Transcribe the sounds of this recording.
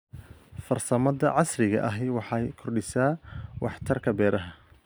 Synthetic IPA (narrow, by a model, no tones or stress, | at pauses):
fɐrsɐmɐðɐʕɑsrɪɣɐ̰ʔɐɦɛwɑħɑjkʰɔrɖɪsaːwʔɑħt̪ʰɐrkʰɐbɛːɾɐɦɐ